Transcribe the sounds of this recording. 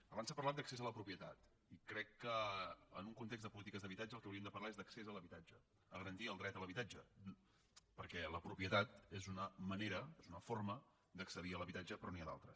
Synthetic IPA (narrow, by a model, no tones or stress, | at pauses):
əβansapəɾrlat̪̚d̪əksezələpɾupiət̪at̪ | ikɾɛkːəə̰nuŋkunt̪ekz̬d̪əpulit̪ikəzðəβit̪ad͡ʒəlˠkɛwɾiəmd̪əpəɾrlaezd̪əksezələβit̪ad͡ʒə | əɣəɾənt̪iəlˠd̪ɾɛt̪ələβit̪ad͡ʒə | pəɾkɛləpɾupiət̪at̪ezunəməneɾəezunəformə | d̪əksəðiələβit̪ad͡ʒəpɾɔniaða̰lˠt̪ɾəs